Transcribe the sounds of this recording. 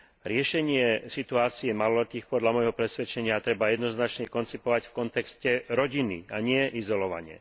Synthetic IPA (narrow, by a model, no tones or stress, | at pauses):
ɾɪɛʃɛɲɪɛsit̪uaːt͡siɛmalɔlɛt̪iːxpɔd̪ʎamɔjɦɔpɾɛsʋɛt͡ʃɛɲɪat̪ɾɛbajɛd̪nɔznat͡ʃɲɛkɔnt͡sipɔʋacfkɔnt̪ɛkscɛɾɔɟinḭaɲɪɛʔizɔlɔʋa̰ɲɪɛ̰